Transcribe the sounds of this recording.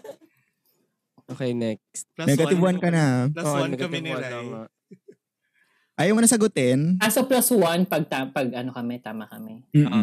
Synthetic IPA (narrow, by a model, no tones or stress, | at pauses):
ʔoːkɛjnɛk̚st̪̚nɛɡɐɪbwɐnkɐnɐoʔnɛɡ̪ɪɐamɐ | ʔɐjɐwmɐnɐsɐɡʊt̪ɛnʔɐsoplaswanpɐɡ̚t̪apɐɡʔɐnokɐmɛt̪aːmɐkɐmɛm̩ːʔ